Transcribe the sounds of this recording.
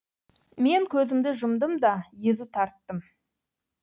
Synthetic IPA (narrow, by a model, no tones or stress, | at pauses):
me̞ŋkʲʰɵzɪmd̪ɪʒʊmd̪əmd̪ɑjezut̪ʰɑɾt̪ːəm